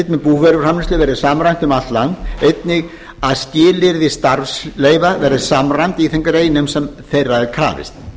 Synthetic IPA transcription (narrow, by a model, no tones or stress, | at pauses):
t̪mɛpuːvɛɾʏfr̥amɪnst̪lɪvɛɾðɪsaːmɾajn̥t̪ʏmat̪lant̪ejt̪nɪɣ | aðscɪːlɪɾðɪst̪aɾsleːjvavɛɾðɪsamrajnt̪iːθɛŋkʏɾeːjnɛmsɛmθejraɛðkʰɾa̰ːvɪ̰st̪